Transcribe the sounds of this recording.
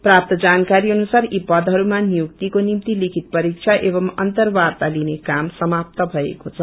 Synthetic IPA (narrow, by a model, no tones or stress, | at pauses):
prap̚t̪ʌd͡zankaɾiʌnusaɾipʌd̪ʱɦʌɾumanijuk̚t̪ikonimt̪ilikʰit̪̚pʌɾik̚t͡ʃʰaʔebʌmʌ̰nt̪ʌrbart̪alinekamsʌmap̚t̪ʌbʱʌḛkot͡sʰʌ